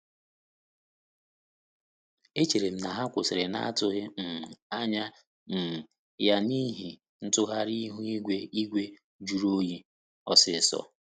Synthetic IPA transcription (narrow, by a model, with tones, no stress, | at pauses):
e˦t͡ʃe˨ɾe˨m̩˦na˨ɦa˦kʷʊ˨sɪ˨ɾɪ˨na̰˦a˦tʊ˦ɣɪ˦m̩˨a˦ɲa˦ | m̩˨ | ja˦ni˦ɦi˨ | n̩˦tʊ˦ɦa˦ɾi˦ɦu˦i˦ɡʷe˦i˦ɡʷe˦ | d͡ʒu˨˦ɾo˦ji˦ | ɔ˨sɪ˦˨sɔ̰˨